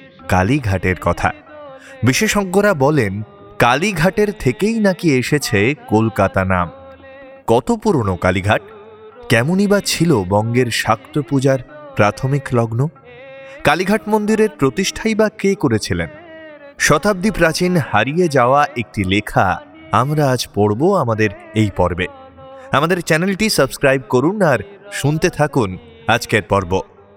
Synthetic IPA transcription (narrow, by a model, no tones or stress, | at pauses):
ka̰liɡʱaʈeɾkɔt̪ʰa̰ | biʃeʃɔɡːoɾabɔlen | kaliɡʱaʈeɾt̪ʰekejnakieʃet͡ɕʰekolkat̪ana̰m | kɔt̪opuɾonokaliɡʱaʈ̚ | kɛmonibat͡ɕʰilobɔŋɡeɾʃakt̪opud͡ʑaɾpɾat̪ʰomiklɔɡno | kaliɡʱaʈmond̪iɾeɾpɾot̪iʃʈʰajbakekoɾet͡ɕʰilḛn | ʃɔt̪ab̚d̪ipɾat͡ɕinhaɾijed͡ʑaoaʔek̚ʈilekʰa̰ | a̰mɾaad͡ʑpoɽboamad̪eɾejpɔɾbe | amad̪eɾt͡ɕɛnelʈisəbskɾajb̚koɾunːaɾʃunt̪et̪ʰakun | ad͡ʑkeɾpɔɾbo